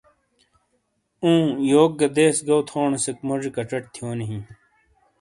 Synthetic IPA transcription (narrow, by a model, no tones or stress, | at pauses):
ũːjoːk̚ːɐd̪eːsɡɐwt̪ʰoːɳesekmɐʐikɐʈ͡ʂɐʈ̚t̪ʰijoːniɦĩ